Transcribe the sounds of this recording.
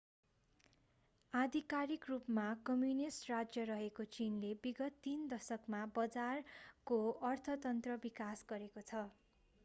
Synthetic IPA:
ad̪ʱikaɾikrupmakʌmjunisʈrad͡zjʌɾʌɦekot͡sinlebiɡʌt̪ːind̪ʌsʌkmabʌd͡zarkoʌrt̪ʰʌt̪ʌnt̪rʌbikasɡʌɾekot͡sʰʌ

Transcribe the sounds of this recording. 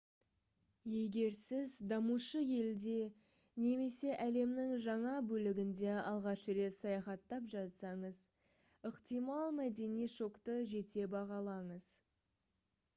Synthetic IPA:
je̞ɡʲe̞ɾsɪzd̪ɑmuʃəje̞ld̪e̞ | ne̞me̞se̞ʔæle̞mnɪŋʒɑɴɑbɵlɪɡʲɪnd̪e̞ɑlˠʁɑʃəɾe̞t̪sɑjɑχɑt̪ːɑpʒɑt̪sɑɴəz | əqt̪ijmɑlˠmæd̪e̞nijʃo̞kt̪əʒe̞t̪e̞bɑʁɑlˠɑɴəz̥

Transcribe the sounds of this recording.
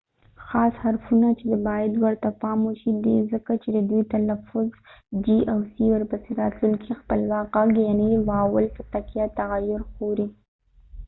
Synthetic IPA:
xɑshaɾfunat͡ʃed̪abɑjad̪wəɾt̪apɑmuʃid̪ezəkat͡ʃed̪əd̪ujt̪alafʊzd͡ʒiʔawsiwəɾpəseɾɑt̪luŋkixpəlwɑqaɡenewɑwəlpət̪akijat̪aɣajʊɾxoɾi

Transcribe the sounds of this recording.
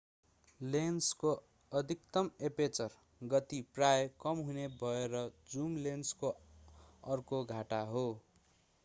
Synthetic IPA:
lensko | ʌd̪ʱikt̪ʌmepet͡sʌr | ɡʌt̪iprajkʌmɦunebʱʌeɾʌd͡zumlensko | ʌrkoɡʱaʈaɦo

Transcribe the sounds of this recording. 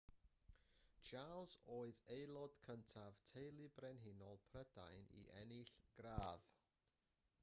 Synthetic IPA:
t͡ʃʰalˠzoːɨðejlˠɔd̥kʰəntʰav̥tʰejlˠɪbrɛnɦɪnɔlˠpʰrəda̰jnḭʔɛnɪɬɡ̥raːð

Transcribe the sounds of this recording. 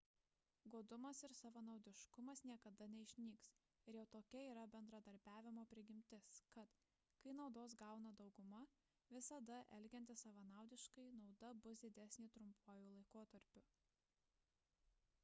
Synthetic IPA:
ɡoːd̪ʊmɐsɪɾsɐʋɐnɐʊd̪ʲɪʃkʊmɐsnʲiɛkɐd̪ɐnʲɛɪʃʲnʲiːks | ɪɾjɛʊt̪oːkʲɛiːɾɐbʲɛnd̪ɾɐd̪ɐɾʲbʲæːʋʲɪmoːpʲɾʲɪɡʲɪmʲt̪ʲɪskɐt̪ | kɐɪnɒʊd̪oːs̬ɡɑˑʊnɐd̪ɒʊɡʊmɐ | ʋʲɪsɐd̪ɐʔɛlʲɡʲɛnʲt̪ʲɪsɐʋɐnɑˑʊd̪ʲɪʃkɐɪnɒʊd̪ɐbʊs̬d̪ʲɪd̪ʲɛsʲnʲiːt̪ɾʊmpoːjuːlˠɐɪkoːt̪ɐɾʲpʲʊ

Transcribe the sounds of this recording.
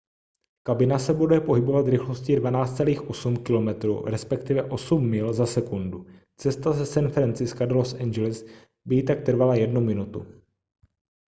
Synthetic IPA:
kabɪnasɛbudɛpo̞ɦɪbo̞vat̪zɾɪxlo̞scɪdvanaːt͡st̪t͡sɛliːxʔo̞sumkɪlo̞mɛt̪ɾṵːɾɛspɛkt̪ɪvɛʔo̞sumːɪlzasɛkundu | t͡sɛst̪azɛsɛnfɾɛnt͡sɪskadɛlosʔɛnd͡ʒɛlɪs | bɪjɪt̪ak̚t̪r̩valajɛdnumɪnut̪ṵ

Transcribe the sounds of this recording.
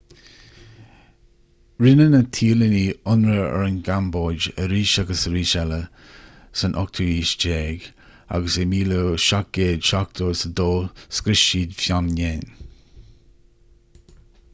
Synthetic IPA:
ɹɪnənət̪ʰiːləniːʊnɾəɛ̰ɹənɡamboːd͡ʒəɾiːʃaɡəsəɾiːʃɛlə | sənʔɔk̚t̪ʰəiːʃd͡ʒeːɡ | a̰ɡəsemiːloʃak̚ɡeːdʃak̚t̪ʰoːsəd̪oːskɾɪʃiːd̪fjamneːn

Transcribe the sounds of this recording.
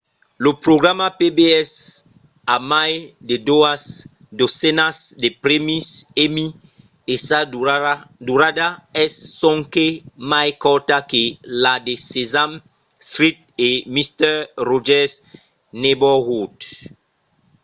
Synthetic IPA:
lopɾoɡɾamapebeɛs | amajded̪oas | d̪osɛnasdepɾemisemi | esa | d̪uɾadaɛsːɔ̃ŋkemajkɔt̪akeladesezam | st̪ɾit̪̚ | emist̪ɛrɔʒɛs | nebɔɣut

